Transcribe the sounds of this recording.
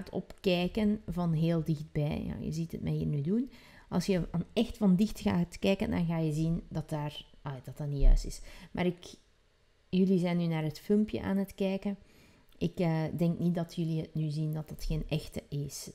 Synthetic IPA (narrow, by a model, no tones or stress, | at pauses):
tʰɔ̰pkɛːkənvɑnɦeːlˠdɪxd̚bɛjja̰ːjə̰zitə̰t̚ma̰iːrnyːdun | ʔɑ̰lˠsjəanɛxtfɑndɪxtɣa̰ːtkɛːkəndɑ̰nɣaːjəzindɑtaːrdɑtaːnijœ̰ːstɪsmʔa̰ːɾɪk | jɵlizɛːnːyːnaːrɦətfɪlmpjə̰ʔa̰ːnətkɛːkən | ʔɪkəːdɛŋknit̚dɑtʰjɵliətnyzindɑtdətxeːnʔɛxtəʔɪs